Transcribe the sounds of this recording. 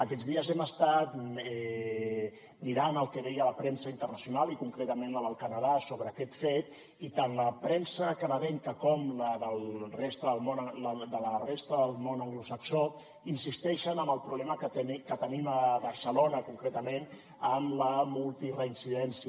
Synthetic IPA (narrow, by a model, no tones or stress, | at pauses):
əkɛd͡zðiəzɛməst̪at̪ɛ | miɾanəlˠkəðɛjələpɾɛnsəint̪ərnəsjunalikuŋkɾet̪əmẽnləβəlˠkənəð̞asoβɾəːkɛt̪fet̪ | it̪anləpɾɛnsəkənəðɛŋkəkɔmləðəlˠrest̪əðəlˠmonələd̪ələrest̪əðəlˠmonəŋɡlusəkso | insist̪ɛʃənəmbəlˠpɾuβlɛməkəkət̪əniməβəɾsəlonəkuŋkɾet̪əmẽn | əmləmulˠt̪irəinsiðɛns